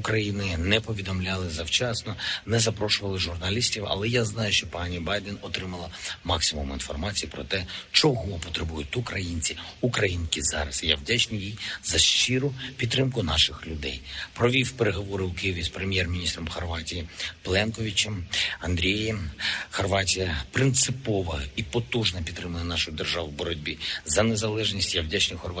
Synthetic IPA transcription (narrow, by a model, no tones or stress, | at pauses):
ukɾɐjinɪnɛpɔʋʲid̪ɔmlʲalˠɪzɐwt͡ʃɑsnɔnɛzɐpɾɔʃʊʋɐlˠɪʒʊrnɐlʲisʲtʲiwɐ̰lˠɛjaznɑjʊʃt͡ʃɔpɑnʲibɑjd̪ɛnɔt̪ɾɪmɐlˠɐmɑksɪmʊminfɔ̰rmɑt͡sʲijipɾɔt̪ɛt͡ʃɔɦɔpɔt̪ɾebujʊtʲukɾɐjinʲt͡sʲiukɾɐjinkʲizɑ̰ɾɐsja̰wdʲat͡ʃnɪjjijzɐʃt͡ʃiɾʊpʲid̪ːɾɪmkʊnɑʃɪxlʲʊd̪ɛjpɾɔʋʲiwpeɾeɦɔʋɔɾɪʊkɪjiʋʲispɾemʲjɛrmʲinʲist̪ɾɔmxɔrʋɑtʲijiplˠɛnkɔʋʲit͡ʃɛmɐnd̪ɾʲijɛmxɔrʋɑtʲijɐpɾɪnt̪sɪpɔʋɐipɔt̪uʒnɐpʲid̪t̪ːɾɪmɐnɐnɑʃʊjʊd̪erʒɑʋɪbɔɾɔdʲbʲizɐnezɐlˠɛʒnʲisʲtʲjawdʲat͡ʃnʲɪjxɔrʋ